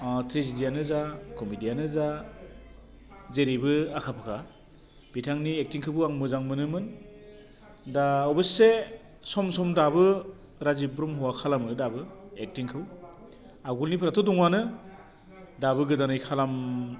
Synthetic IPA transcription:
tʰɾizidijanɯzakɔmidijanɯza | zeɾibɯakʰapʰɯkʰa | b̥itʰaŋniek̚tiŋkʰɯbɯaŋmɯzaŋmɯnɯmɯn | daɔbɯse | sɔmsɔmdabɯ | ɾazipbɾɔmhɔwakʰalamɯdabɯek̚tiŋkʰɯw | aɡulnipʰɯɾatʰɔdɔŋanɯ | dabɯɡɯdanɯjkʰalam

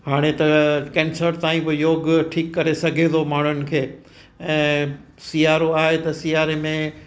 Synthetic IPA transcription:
haːɽ̃et̪ɐkɛ̃ːnsəɾt̪ãːĩpojoːɡʈʰiːkːɐɾesɐɡʱed̪omaːɳ̤ənɪ̆kʰeː | ɛ̃ː | siːaːɾoaːɦet̪ɐsiːaːɾemẽ

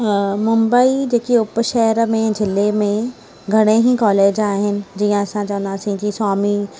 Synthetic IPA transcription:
mʊ̃mbəid͡ʒeːkiʊpʃɛɦɾmẽd͡ʒɪlːemẽ | ɡʱɐɽ̃eɦikɔːleːd͡ʒaːɦɪnɪ̆d͡ʒiːãɐsãt͡ʃaːnaːsĩkiswaːmi

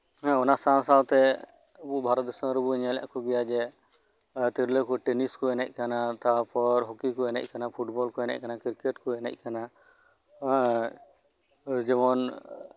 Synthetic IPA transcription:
ɦɛ̃ɔnasãsawt̪ɛ | əbuʔbʱaɾɔt̪̚d̪ɔsə̃ɾəbuɲala̰ʔkɔɡɛjad͡ʒɛ | t̪iɾləkɔʈeniskɔɛnɛc̚ˀkanat̪apɔɾɦɔkikɔɛnɛ̰c̚ˀkanapʰuʈbɔlkɔɛnɛ̰c̚kanakiɾkɛʈkɔɛnɛ̰c̚ˀkanã | d͡ʒɔbɔn

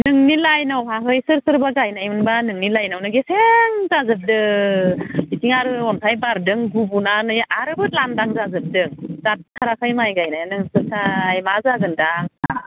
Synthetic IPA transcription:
nɯŋnilajnawpʰaɦɯjsɯɾsɯɾbaɡajnajmɯnbanɯŋnilajnawnɯɡeseŋzazɯp̚dɯ | bitiŋaɾɯɔnpʰajbaɾdɯŋɡubunanɯjaʔaɾɯbɯt̚landaŋzazɯp̚dɯŋz̥at̚kʰaɾakʰɯjmajɡajnajnɯŋsɯɾsʰajmazaɡɯndaŋa

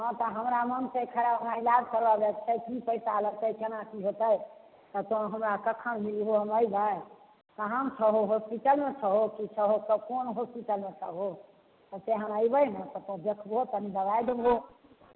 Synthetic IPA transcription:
ɦɔ̃t̪ɔɦəmɾamənsekʰəɾabnãilad͡ʒkəɾbabɛkt͡ʃʰəkipəjsaləɡ̚t̪əjkenakiɦot̪əj | t̪ɔt̪õɦəmɾakəkʰənmiliɦoɦəməjbəj | t̪ɦəmt͡ʃʰəɦoɦospiʈəlmet͡ʃʰəɦokit͡ʃʰəɦokəkonɦospiʈəlmẽt͡ʃʰə̰ɦo | t̪əseɦə̃məjbəjnə̃t̪ɔt̪õd̪ekʰbɦot̪ənid̪əbajd̪ebɦo

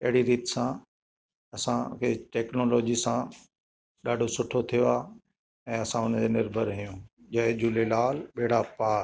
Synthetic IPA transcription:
ɐɦɪɽiɾiːt̪ɪ̥sã | ɐsãkʰeːʈɛːknoːloːd͡ʑisã | ɗaːɖʱosʊʈʰot̪ʰijoa | ɛ̃ːɐsãʊnəd͡ʑeːnɪɾbʱəɾɦijũː | d͡ʑɐɦed͡ʑuːlelaːlɓeːɽapaːɾ

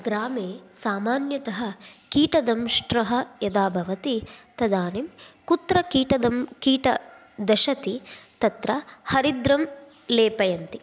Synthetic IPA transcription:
ɡɾaːmeːsaːmaːnjɐt̪ɐɦɐkiːʈɐd̪ɐmʃʈɾɐɦɐjɐd̪aːbʱɐʋɐt̪it̪ɐd̪aːnimkut̪ɾɐkiːʈɐd̪ɐmkiːʈɐ̰ | d̪ɐʃɐt̪it̪ɐt̪ɾɐhɐɾid̪ɾɐm | leːpɐjɐnt̪i

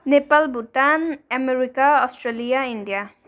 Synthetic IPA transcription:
nepalbutanameɾikaɔsʈɾelijaindija

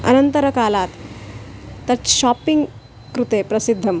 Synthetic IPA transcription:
ə̰nənt̪əɾəkalat̪ː | ɐɾt̪ɕɔpiŋɡ | kɾut̪epɾɐsid̪ʱːəm

